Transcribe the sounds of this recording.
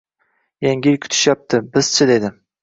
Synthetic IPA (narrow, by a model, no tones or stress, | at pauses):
jaŋʲilkʲʰʊ̥t̪ʰɪ̥ʃjap̚t̪ʰɪbɪz̥t͡ʃʰɪd̪ed̪ɪ